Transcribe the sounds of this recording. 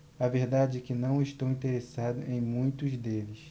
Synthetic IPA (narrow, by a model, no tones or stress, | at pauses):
ɐveɾd̪ad͡ʒɪɛkɪnɐ̃w̃ɪʃt̪ɐwĩt̪eɾesad̪ʊʔẽj̃mũj̃t̪ʊzd̪elɪs